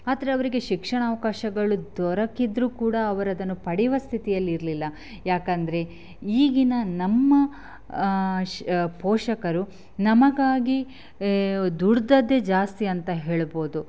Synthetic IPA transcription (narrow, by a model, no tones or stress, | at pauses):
aːd̪ɐɾeɐʋɐɾiɡe̞ʃikʂɐɳaːʋɐkaːʃɐɡɐɭud̪ɔɾɐkid̪ɾuːkuːɽɐːʋɐɾɐd̪ɐnːupɐɽiʋɐst̪ʰit̪ijɐlːiɾlilːɐ | jaːkɐnd̪ɐɾe̞ | iːɡinɐnɐmːɐ | pɔːʂɐkɐɾu | nɐmɐɡaːɡi | d̪uɽd̪ɐd̪ːe̞d͡ʒaːst̪iɐnt̪ɐɦe̞ːɭbo̞ːd̪u